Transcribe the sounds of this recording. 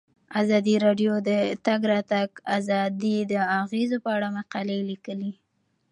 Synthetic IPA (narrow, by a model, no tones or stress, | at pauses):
azɑd̪iɾɑɖjod̪ət̪aɡɾɑt̪aɡazɑd̪id̪əaɣezopəaɽamaqɑlelikəli